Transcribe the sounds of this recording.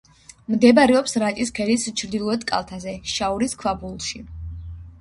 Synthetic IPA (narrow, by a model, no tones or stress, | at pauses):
md̪ɛbaɾɛɔpsɾat͡ʃʼiskʰɛlist͡ʃʰɾd̪ilˠɔɛd̪kʼa̰lˠt̪ʰazɛʃauɾiskʰwabulˠʃi